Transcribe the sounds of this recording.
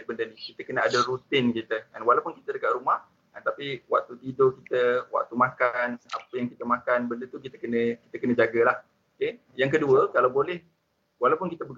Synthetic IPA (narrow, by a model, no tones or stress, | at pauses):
bəndənikit̪əkənəadəɾut̪ɪnkit̪əanwalawpʊnki̥t̪ədəkaʔɾumah | ant̪apiwa̰ʔ̚t̪ut̪idokit̪əwa̰ʔ̚t̪umãkana̰pəjaŋkit̪əmãkanbəndət̪ukit̪əkənə̃kit̪əkənə̃d͡ʒaɡəlah | oke | jaŋkəduəkalawbolɛh | walawpʊnkit̪əbəɡ